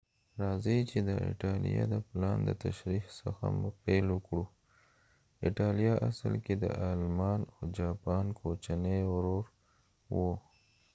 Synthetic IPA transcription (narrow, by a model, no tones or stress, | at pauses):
ɾɑzət͡ʃed̪əɪ̰ʈɑlḭjɑ̰d̪əplɑnd̪ət̪aʃɾihsəxa̰mupeləkɽu | ɪʈɑlijɑʔasəlked̪ə̰ʔɑlmɑnod͡ʒɑpɑnkʰot͡ʃaneawɾoɾ | wo